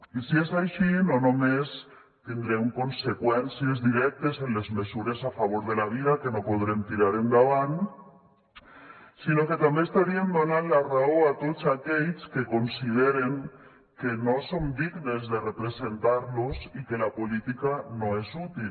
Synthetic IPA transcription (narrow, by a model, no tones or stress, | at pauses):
isiesajʃinonomes | t̪ind̪ɾeŋkonsekwɛnsiezðiɾɛk̚t̪esenlezmesuɾesafaβ̞oɾðelaβ̞iðakenopoð̞ɾemt̪iɾaɾeŋɡaβan | sinoket̪ambeːst̪aɾiend̪onanlaraoat̪ot͡sakeʎskekonsið̞eɾeŋ | kenosomd̪iɣnezðerepɾesent̪aɾlosikelapolit̪ikanoesut̪il